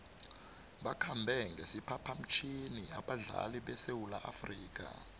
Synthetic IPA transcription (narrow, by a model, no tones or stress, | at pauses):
ɓakʰambʱɛŋɡʱesipʰapʰam̩t͡ʃʰiniaɓaɮa̰liɓɛsewulaʔafriːk̬ʼa̰